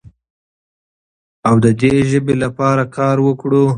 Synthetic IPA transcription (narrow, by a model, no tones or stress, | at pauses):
awd̪əd̪eʒəbelapɑɾakʰɑɾwəkɽo